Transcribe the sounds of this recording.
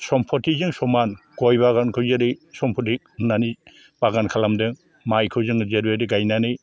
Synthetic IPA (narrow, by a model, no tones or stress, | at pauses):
sɔmpʰɔtʰizɯŋsɔmanɡ̥ɔjbaɡankʰɯwzeɾisɔmpʰɔtik̚nani | b̥aɡankʰalamdɯŋ | majkʰɯwzɯŋzeɾbeɾiɡajnanɯj